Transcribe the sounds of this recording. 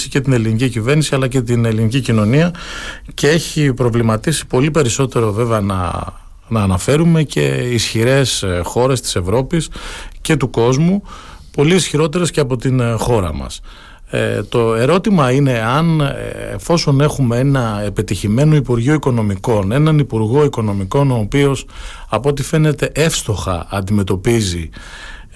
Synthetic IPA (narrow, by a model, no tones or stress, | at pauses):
sice̞t̪ine̞linicicive̞ɾnisiɐlɐce̞t̪ine̞linicicino̞niɐ | cee̞çipɾo̞vlimɐt̪isi̥po̞lipe̞ɾiso̞t̪e̞ɾo̞ve̞veɐnɐ̰ | nɐːnɐfe̞ɾume̞ce̞̰isçiɾe̞sxo̞ɾe̞st̪i̥se̞vɾo̞pisce̞t̪uko̞zmu | po̞liːsçiɾo̞t̪e̞ɾe̞sceɐpo̞t̪inxo̞ɾɐ̰mɐ̰s | t̪o̞e̞ɾo̞t̪imɐine̞ɐnḛfo̞so̞ne̞xumee̞nɐepe̞t̪içime̞noipuɾʝioiko̞no̞miko̞ne̞nɐnipuɾɣo̞iko̞no̞miko̞noːpio̞sɐpoot̪̬ife̞ne̞t̪e̞ʔe̞fst̪o̞xɐ̰ɐnd̪ime̞t̪o̞pizi